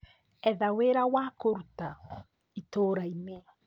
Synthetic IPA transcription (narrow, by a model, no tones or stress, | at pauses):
ɛðaweɾawakoɾt̪a | it̪oɾaime